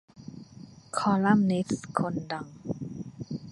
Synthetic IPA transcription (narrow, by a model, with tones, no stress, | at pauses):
kʰɔ˧la˥˨mni˦˥tskʰo˧nda˧ŋ